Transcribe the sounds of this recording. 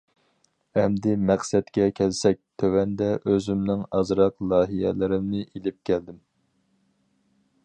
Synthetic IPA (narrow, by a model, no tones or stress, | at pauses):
ɛmd̪ɪmæχsɛt̪kʲɛkʲʰɛlsɛk̚ʲt̪ʰøwɛnd̪ɛʔøzymnɪŋɑzɾɑqlˠɑːɦijɛ̰lɪɾɪmnɪʔilɪp̚kʲʰæld̪ɪm